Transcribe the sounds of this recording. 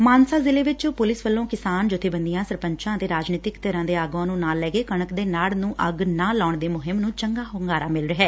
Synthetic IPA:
maːnsaːzɪleːʋɪt͡ʃoːpʊlɪsʋəlːõːkɪsaːnd͡ʒʊt̪ʰːeːbənd̪ijãːsəɾpəɲt͡ʃãːt̪eːɾaːd͡ʒniːt̪ɪkt̪əɾãːd̪eːaːɡãːnũːnaːlːɛːɡeːkəɳəkd̪eːnaːlnũːʔəɡnãːlɔːɳd̪eːmʊɦɪmnũːt͡ʃəŋɡaːɦoŋɡaːɾaːmɪlɾəɦɛː

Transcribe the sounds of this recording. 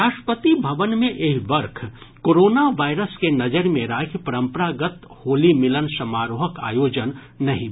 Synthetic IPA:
aːʃʈəpət̪ibʱɐʋənmẽʔeːɦʋəɾkʰkoːɾoːnaʋaːɪɾəskenɐd͡ʒəɾmẽɾaːkʰipɐɾə̃mpəɾaːɡət̪ | hoːlimɪlənsɐmaːɾoɦəka̰ːjoːd͡ʒənː | ɐɦĩ

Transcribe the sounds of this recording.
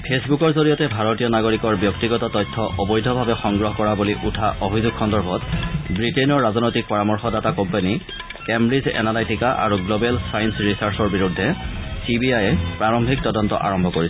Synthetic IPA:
pʰesbukɔɹzoɹijɔtɛbʱaɹotijɔnaɡoɹikɔɹbjɔktiɡɔtɔtɔjtʰːɔʔɔbɔjdʱɔbʱabɛxɔŋɡɹɔɦɔkɔɹabuliʔutʰaʔobʱizuɡxɔndɔɹbʱɔtbɹitenɔɹːazɔnɔjtik̚pɔɹamɔɹxɔdatakɔmpani | kɛmɹizɛ̰nalajtikaʔa̰ɹuɡlobɛlsajnsɹisaɹsɔɹbiɹudʱːɛsibiajɛpɹaɹɔmbʱik̚tɔdɔntɔ̰ʔa̰ɹɔmbʱɔkoɹisɛ

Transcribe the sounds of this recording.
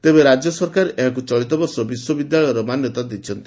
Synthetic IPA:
t̪ebeɾad͡ʒjɔsɔɾkaɾeʔeɦakut͡ʃɔɭit̪ɔbɔɾsɔbiswɔbid̪jaɭɔjɔɾɔmanjɔt̪ad̪it͡ʃʰɔnt̪i̥

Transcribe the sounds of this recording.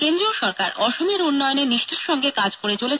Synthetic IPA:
kend̪ɾioʃɔɾka̰ɾɔʃomeɾunːɔjoneniʃʈʰiɾʃɔŋɡekad͡ʑkoɾet͡ɕole

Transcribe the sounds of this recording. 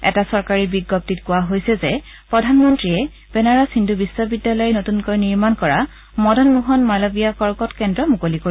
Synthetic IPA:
ɛ̰tasɔɹkaɹibiɡːɔp̚titkʊaɦojsɛzɛ | pɹɔdʱanmɔntɹiɛ | bɛnaɹɔsindubisːɔbidːalɔjɛnotunkɔjniɹmankɔɹa | mɔdɔnmuɦɔnmalɔbijakɔɹkɔtkɛndɹɔmukolikoɹi

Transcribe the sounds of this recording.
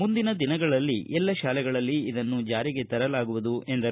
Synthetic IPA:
mund̪inɐd̪inɐɡɐɭɐlːiʔɛlːɐʃaːlɛɡɐɭɐlːiːd̪ɐnːud͡ʒaːɾiɡe̞t̪ɐɾɐlaːɡuʋud̪uʔe̞nd̪ɐ

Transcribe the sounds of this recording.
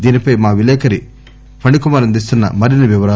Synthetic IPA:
d̪inɐpɐjmaːʋileːkɐɾi | pʰɐɳikumaːɾɐnd̪ist̪ːɐnːɐ̰mɐɾinɐʋjɐʋɐɾaː

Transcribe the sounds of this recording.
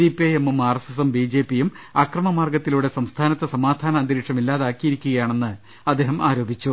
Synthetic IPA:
ipːeemːumaːrsɐs̬ɐmbiːd͡ʑe̞ːpːijum | ɐkrɐmɐmaːrɡɐt̪ːiluɽe̞sɐmst̪ʰaːnɐt̪ːɨsɐmaːd̪ʱaːnɐːnd̪iɾiːʈʂɐmilːaːðaːkːijiɾikʲːuɣɐjaːɳe̞nːɨ | ɐd̪ːe̞ːɦɐmʔaːɾo̞ːbʱit͡ɕːu

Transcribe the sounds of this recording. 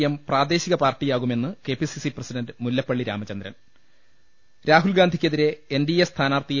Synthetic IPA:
jɐmpraːd̪e̞ːɕiɣɐpaːrʈːijaːɣume̞nːɨke̞ːpisisiprɐsidɐndɨmuljɐpːɐɭːiɾa̰ːmɐt͡ɕɐnd̪ɾɐ̰n | ɾaːɦulɡaːnd̪ʱikʲːe̞ðiɾe̞ːndijest̪ʰaːnaːrt̪ije

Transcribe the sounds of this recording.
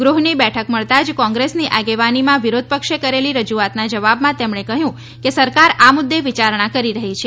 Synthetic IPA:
ɡɾuɦnibɛʈʰəkməɭt̪ad͡ʒkɔ̃ŋɡɾesniʔaɡeʋanimãʋiɾod̪̚ʱpəkʃekəɾeliɾəd͡ʒuat̪nad͡ʒəʋabmãt̪emɳekəɦjũ | kesəɾkaɾamʊd̪ːeʋit͡ʃaɾɳ̃akəɾiɾəɦit͡ʃʰe

